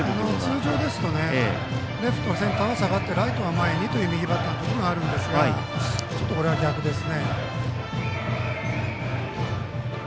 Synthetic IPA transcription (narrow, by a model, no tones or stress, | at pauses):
not͡sɨːʑo̞ːd̪e̞sɨ̥t̪o̞ne̞ | ɾe̞ɸɯ̟̥t̪osẽ̞nt̪aβasaɡat̪ːe̞ɾait̪o̞βamaeɲ̟it̪o̞jɯmʲiɡʲibat̪ːanot̪o̞kʲoɾoŋaɾɯ̟̃nd̪e̞sɨɡaat͡ɕo̞t̪ːoo̞ɾe̞βaɡʲakɯ̟d̪e̞sɨne̞